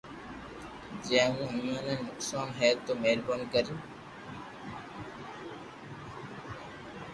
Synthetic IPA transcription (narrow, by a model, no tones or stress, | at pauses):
d͡ʒɛ̃ːũːɦəmaːnənːʊksaːnɦɛːt̪oːmeːlbənkəɾijũː